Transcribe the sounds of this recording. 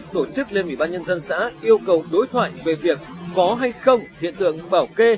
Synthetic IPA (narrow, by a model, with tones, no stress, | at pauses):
t̪o˧˩t͡ɕɨ˦˥k̚le˧nʔwi˧˩ɓaː˧nɲə˧nzə˧nsa̰ː˧˥ʔi˧əwkə˨˩wɗo˨˦jt̪ʰwa̰ː˧˨jve˨˩vi˨˩ək̚ːɔ˨˦ɦa˧jxə˧wŋ͡mhḭ˧˨ənt̪ɨ̰˧˨əŋɓaː˧˩wke˧